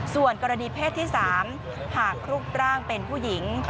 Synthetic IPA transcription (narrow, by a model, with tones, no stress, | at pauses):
su˨˩ənkɔː˧ɾa˧niː˧pʰeː˥˩t̪ʰːiː˥˩saː˩˦m | haː˨˩kʰɾuː˦˥˩k̚ɾaː˥˩ŋpe˧npʰuː˥˩ji˩˦ŋ